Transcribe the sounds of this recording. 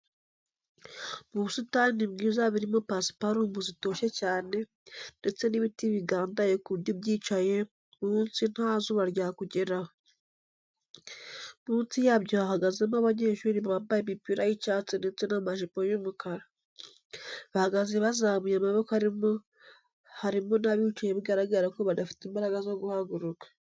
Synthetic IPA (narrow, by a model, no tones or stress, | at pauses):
muβusutanibɡiːzaβiɾimopasi̥paɾuːmbuzito̞ːʃe̞caːne̞ | nde̞t͡se̞niβitiβiɡaːndajekuβjobɟiːt͡ʃaje̞ | muːnsinhaːzuβaɾjakuɟeɾaho | muːnsijaβjohahaɡazemaβaɲe̞ʃuɾiββambajemipiɾajit͡ʃaːt͡sene̞t͡se̞namaʒipo̞jomukaɾa | βahaɡazeβazaβujamaβo̞kohaɾio | haɾimo̞naβit͡ʃajeβiɡaɾaɡaɾakoβadafi̥timbaɾaɡazoɡuhaɡuɾukḁ